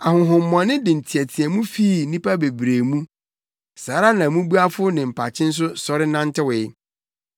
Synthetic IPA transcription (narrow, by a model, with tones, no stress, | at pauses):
a˨ɦʊ̃˨ɦʊ̃˨m̩˦m˨ã˨nɪ̃˦dɪ̃˨n̩˨tʰi˨ɛ˨tʰɪ˨ɛ˨mũ˦fiː˦˨˦nĩ˦pa˦be˨bɾe˨mũ˦ | saː˨˦ɾa˦nã˨mũ˦bu˦a˦fʊ˦nɪ̃˨m̩˨pʰa˨t͡ɕʰɪ̃˦n̩˦s̬ʊ˦sɔ˨ɾɪ˦nã˦n˦tʰɪ˦wɪ˨ɪ˦